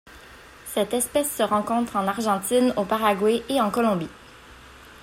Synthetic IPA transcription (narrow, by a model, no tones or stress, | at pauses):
sɛt̪ɛspɛsːəʁɑ̃kɔ̃t̪χɑ̃naʁʒɑ̃t̪inopaʁaɡwɛʔeɑ̃kɔlɔ̃bi